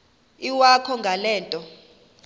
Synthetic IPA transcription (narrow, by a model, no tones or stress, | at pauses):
iwakʰɔŋɡʱalɛːntʼɔ